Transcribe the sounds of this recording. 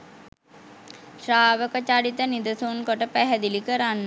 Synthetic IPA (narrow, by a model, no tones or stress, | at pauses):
ʃɾaːʋəkət͡ʃaɾit̪ənid̪əsunkoʈəpæɦɛd̪ilikəɾanːə